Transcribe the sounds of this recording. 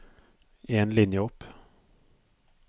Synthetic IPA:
eːnlɪnjəɔp

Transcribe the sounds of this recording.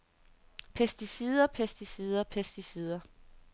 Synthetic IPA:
pʰesd̥isiðˠɐpʰesd̥isiðˠɐpʰesd̥isið̞ˠɐ

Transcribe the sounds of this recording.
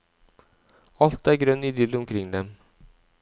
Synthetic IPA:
ɑlt̪æːɾɡɾœnːɪd̪ʏlʊmkʰɾɪŋːd̪ɛm

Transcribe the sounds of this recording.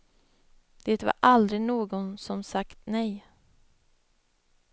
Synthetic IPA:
d̪̥eːt̪va̰ɾʔald̪ɾɪnoːɡɔnsɔmsakt̪nɛj

